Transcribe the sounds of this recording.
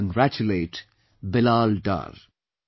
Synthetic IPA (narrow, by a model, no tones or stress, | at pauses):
ə̃ŋɡɾæt͡ʃʊleːʈ | bɪlaːlɖa̰ːɾ